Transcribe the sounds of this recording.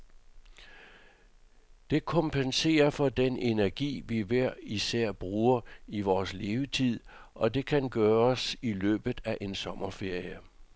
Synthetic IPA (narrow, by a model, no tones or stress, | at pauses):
d̥e̝kʰɒ̽mpʰense̝̰ːɐfɒ̽d̥ene̝næɐɡ̥ḭːʋiʋæɐ̰isæɐ̰b̥ʁuːɐiʋɒːsle̝ːʊət͡sʰið̰ˠ | ʔɒ̽d̥e̝kʰænɡ̥ɶːɐsilø̰ːb̥ð̩ˠæʔe̝nsɒ̽mɐfe̝ɐ̰jə